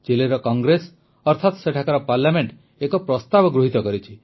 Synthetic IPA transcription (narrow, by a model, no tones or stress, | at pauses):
d͡ʒeleɾɔkɔŋɡɾes | ɔɾt̪ʰat̪ɔseʈʰakaɾɔpaɾlameɳʈ | ekɔpɾɔst̪abɔɡɾuɦit̪ɔkɔɾit͡ʃʰi